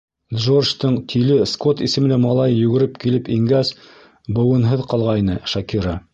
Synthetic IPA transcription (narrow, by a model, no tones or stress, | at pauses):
d̪ʐorʃt̪ɤɴt̪ʰilɘskot̪isɘ̆m̆læmɑlˠɑjːʉɡɘ̆ɾɘpkilɘpiŋɡæs | bɤ̆wɤ̆nɦɤðqɑlˠʁɑinɤʃɐkiɾɑ